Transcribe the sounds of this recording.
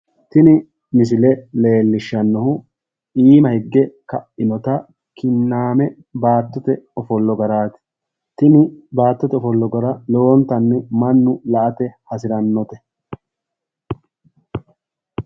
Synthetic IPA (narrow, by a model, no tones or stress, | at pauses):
t̪ɪnɪ | mɪs̬ɪlɛle̞ːlːɪʃːɐnːɔhʊ | iːmɐhɪɡːɛkɐʔːɪnɔt̪ɐ | kɪnːaːmɛ | baːt̪ːɔt̪ɛɔfɔlːɔɡɐɾaːt̪ɪ̥ | t̪ɪnɪbaːt̪ːɔt̪ɛɔfɔlːɔɡɐɾɐloːnt̪ɐnːɪmɐnːʊlɐʔɐt̪ɛhɐsɪɾɐnːɔt̪ɛ